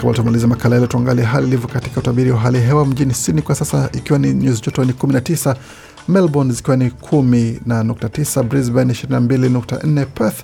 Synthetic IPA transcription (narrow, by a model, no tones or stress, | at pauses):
kawa̰ltamalizɛmakalajalɛtuaŋɡaliɛɦalilivjɔkati̥kautaɓiɾiwaɦaliaɦɛwam̩ʄinisinikwasasaʔikiwaniɲuzid͡ʒɔtɔnikuminatisa | mɛlbɔnzikiwanikʰuminanuk̚tatisabɾizbɛniʃiɾininambilinuk̚ta̰n̩nɛpɛθ